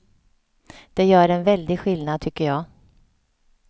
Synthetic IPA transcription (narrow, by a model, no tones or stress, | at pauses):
d̪̥ɛjœːɾɛnvɛld̪ɪɡɧɪlnad̪̚t̪ʰʏkːəjɑː